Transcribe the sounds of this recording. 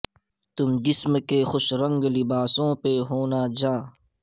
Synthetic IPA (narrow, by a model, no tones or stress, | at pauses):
t̪ʊmd͡ʒɪsmkexʊʃɾɐ̃ŋɡlɪbaːsõːpeɦoːnad͡ʒãː